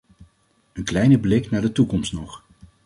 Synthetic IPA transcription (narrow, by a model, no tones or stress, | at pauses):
ənklɛjnəblɪknaːɹdətukɔmstnɔχ